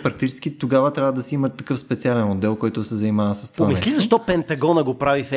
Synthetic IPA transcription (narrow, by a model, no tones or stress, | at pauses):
pɾɐkt̪it͡ʃɛ̥sk̟it̪oɡavət̪ɾʲavəd̪ɐsiimət̪ːɐkɤfspɛt̪sialɛnod̪ːɛlˠkɔjt̪ʊsɛzɐnimavəsɐst̪vanmislizɐʃt̪ɔpɛnt̪ɐɡɔnəɡopɾavif